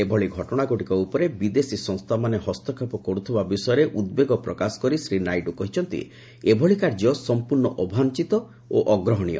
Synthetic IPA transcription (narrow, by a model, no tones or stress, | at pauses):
ebʱɔɭiɡʱɔʈɔɽ̃aɡoʈikɔupɔɾebid̪esisɔ̃ŋ̃st̪ʰamanehɔst̪ɔkʰepɔkɔɾut̪ʰibabisɔjɔɾeʔud̪̚beɡɔpɾɔkasɔ̥kɔɾisɾinajʈukɔɦit͡ʃʰɔnt̪ḭ | ebʱɔɭikaɾd͡ʒɔsɔmpuɾɳɔʔɔbʱant͡ʃit̪ɔ | oʔɔɡɾɔɦɔɽ̃ijɔ̰